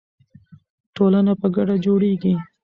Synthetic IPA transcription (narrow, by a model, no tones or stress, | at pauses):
ʈolanapəɡaɖad͡ʒoɽeɡi